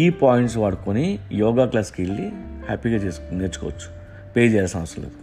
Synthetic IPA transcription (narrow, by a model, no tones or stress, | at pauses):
iːpaːjiɳʈs̬ʋɐɽkonijɔːɡaːklaːskilːihaːpiɡaːt͡ʃeːsneːt͡ʃukɔ̰ːʋɐt͡ʃːu̥ | peːd͡ʒɛjaːlasɐnʋɐsɾɐlḛːd̪u